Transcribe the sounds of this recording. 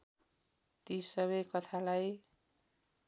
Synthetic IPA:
t̪isʌβʌjkʌt̪ʰalaj

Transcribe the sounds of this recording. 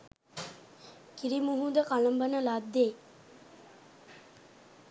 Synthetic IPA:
kiɾimuɦud̪əkaləmbənəlad̪ːeː

